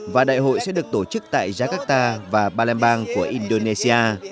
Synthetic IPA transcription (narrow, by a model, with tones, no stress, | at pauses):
vaː˨˩ɗa̰ː˧˨jɦo̰˧˨jsɛ̰˧˥ɗɨ˨˩ək̚t̪o˧˩t͡ɕɨ˦˥k̚t̪a̰ː˧˨jzaː˧kaː˦˥k̚t̪aː˧vaː˨˩ɓaː˧lɛ˧mɓaː˧ŋku˧˩əʔi˧nɗo˧ne˧si˧ʔaː˧